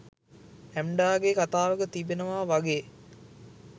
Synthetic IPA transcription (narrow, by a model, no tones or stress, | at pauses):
æmɖaːɡekat̪aːʋəɡət̪ibenəʋaːʋaɡeː